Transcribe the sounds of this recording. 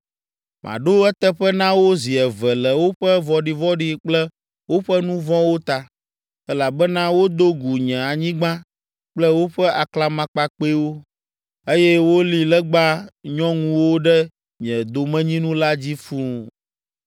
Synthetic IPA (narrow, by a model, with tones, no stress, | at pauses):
mʔã̰˨ɖo˦ɛ˦t̪ɛ˦ɸɛ˦nã˦wo˦zi˨ɛ˨vɛ˨lɛ˨wo˦ɸɛ˦vɔ˦ɖi˨vɔ˦ɖi˦k͡plɛ˦ | wo˦ɸɛ˦nũ˦vɔ̃˦wo˦t̪a˨ | ɛ˦la˨bɛ˦nã˦wo˦d̪o˦ɡu˨ɲɛ̃˨a˨ɲĩ˦ɡ͡bã˦ | k͡plɛ˦wo˦ɸɛ˦a˨kla˦mã˨k͡pa˦k͡pe˦wo˦ | e˦jɛ˦wo˦li˨lɛ˦ɡ͡ba˦ɲɔ̃˦ŋũ˦wo˦ɖɛ˦ | ɲɛ̃˨d̪o˨mɛ̃˦ɲĩ˦nũ˦la˦d͡ʑi˦fu˦